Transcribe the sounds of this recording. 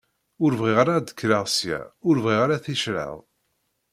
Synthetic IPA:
ʊɾvʁiʁaɾad̪ə̥kːɾaʁsjæ̰ʊɾvʁiʁaɾaθiʃɾə̰ðˤ

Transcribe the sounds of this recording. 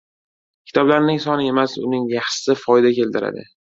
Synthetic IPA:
kʲʰɪ̥t̪ʰɒblaɾnɪŋsɒnɪe̞masʊ̰nɪŋjaχʃɪ̥sɪfɒɪd̪akʲe̞lt̪ɪɾa̰d̪ɪ̰

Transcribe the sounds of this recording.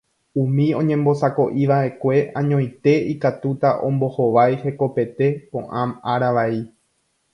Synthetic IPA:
ũmĩõ̞ɲẽ̞mbo̞sako̞ʔiʋaʔe̞kʷe̞ʔãɲõj̃t̪e̞ikat̪ut̪aʔõ̞̰mbo̞hoʋajhe̞ko̞pe̞t̪e̞põ̞ʔãmaɾaʋai

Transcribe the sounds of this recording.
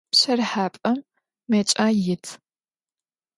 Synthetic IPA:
pɕɐrħaːpʼɐmː | ɐt͡ʃʼaːjɪtʰ

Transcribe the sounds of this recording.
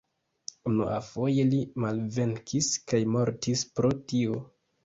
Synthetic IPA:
unuʔafo̞je̞limalve̞ŋkʰiskajmo̞ɾtispɾo̞tio̞

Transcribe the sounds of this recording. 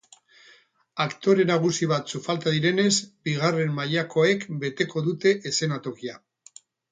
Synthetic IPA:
akt̪o̞ɾe̞naɣ̞usiβ̞at̪sufalt̪aðiɾe̞ne̞zbiɣare̞mmaʎako̞e̞kbe̞t̪e̞ko̞ðut̪e̞ʔːse̞nat̪o̞kia

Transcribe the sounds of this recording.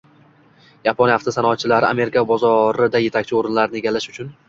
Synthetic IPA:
japʰonjaft̪ʰasanɒat̪t͡ʃʰːɪlaɾɪa̰me̞ɾɪkʰabɒzɒɾɪd̪aje̞t̪ʰak̚ʲt͡ʃʰɪoɾɪnlaɾɪnɪe̞ɡʲalːaʃʊt͡ʃʰʊn

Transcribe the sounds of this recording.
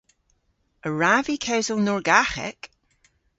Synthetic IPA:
əɹavikʰawzəlˠnɔɹɡaxɛ̰k

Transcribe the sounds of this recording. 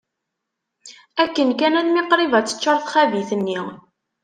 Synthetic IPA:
ækːənkænænmɪqɾivæt͡sːə̥t͡ʃːəɾˤθχæviθənːi

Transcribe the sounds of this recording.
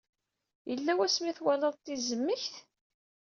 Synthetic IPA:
jəlːæwæsmiθwæləðˤt̪ːizəmːəçθ

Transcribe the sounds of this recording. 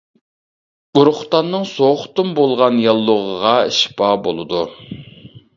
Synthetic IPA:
uɾʊχt̪ɑnːɨŋsoχt̪umbolˠʁɑnjɑlˠːʊʁəʁɑiʃpɑːbo̰lˠɨd̪u

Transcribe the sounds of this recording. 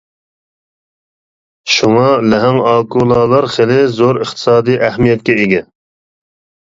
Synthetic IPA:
ʃuŋɑlɛɦɛŋɑːkulˠɑːlˠɑɾχelɪzoɾəχt̪ʰɨ̥sɑːd̪ɨjʔɛhmijɛt̪̚kʲɛiɡʲɛ

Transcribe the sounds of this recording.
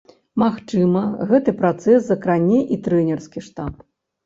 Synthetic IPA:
maxt͡ʂɨmɐɣɛt̪ɨpɾat̪sɛszɐkɾanʲɛʔit̪ɾɛnʲɛrskʲiʂt̪ap

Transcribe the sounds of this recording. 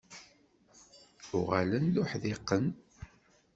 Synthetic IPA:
ʊʁalənlʊħðɪqːən

